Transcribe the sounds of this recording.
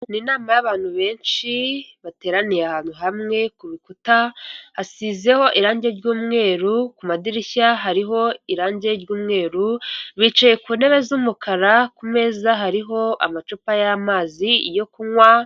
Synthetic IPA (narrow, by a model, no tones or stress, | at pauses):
ninaːmajaβaːn̥huβe̞ːnʃiβate̞ːɾanijeahaːn̥huɦamŋe̞kuβikutahasize̞ho̞ʔiɾaːɲɟe̞ɾɟuːmŋe̞ːɾukumadiɾiçaɦaɾiɦo̞iɾaːɲɟe̞ɾɟuːmŋe̞ːɾuβit͡ʃaje̞kuːne̞βe̞zumukʰaɾakume̞ːzaɦaɾiɦo̞ʔa̰mat͡ʃupajamaːzijo̞kuŋwa